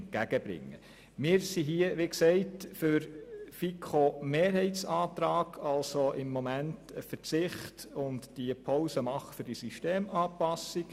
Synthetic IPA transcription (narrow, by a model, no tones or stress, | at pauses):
nt̚ɡ̥æɡəb̥ɾɪ̰ŋːə̰ | mɪːɾsiɦiəʋiksɛɪtfʏɾfikʰomeːɾhɛɪtt͡sɑːt̪ɾɑːɡʰɑlsoʔɪmːɔmæntəfəɾt͡sɪχtʊntd̥ipʰoʊsəmɑχəfʏɾd̥isiʃteːmɑːpɑsik